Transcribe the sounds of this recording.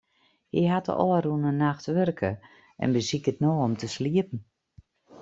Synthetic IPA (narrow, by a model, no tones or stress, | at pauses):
hiɦatə̰ʔɔːərunənaxtʋørkʰə | ʔɛ̰nbəsikətnoːɔmtəsliəpn̩